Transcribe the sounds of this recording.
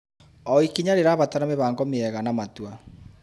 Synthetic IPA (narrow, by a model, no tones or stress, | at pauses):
ɔikiɲaɾeɾaːβataɾameβaːŋɡɔmeɛɣanamatwa